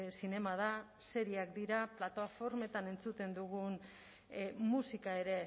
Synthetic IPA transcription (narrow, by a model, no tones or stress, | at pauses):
sine̞mað̞a | se̞ɾiakd̪iɾaplat̪oafo̞ɾme̞t̪ane̞nt͡sut̪e̞nd̪uɣ̞un | musikae̞ɾe̞